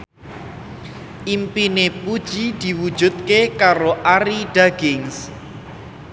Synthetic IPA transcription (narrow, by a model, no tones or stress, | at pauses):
impinepud̥ʒ̥id̪̥i̤wud̥ʒ̥ṳt̪̚kekaɾoʔaɾiɖ̥aɡ̥ɪŋs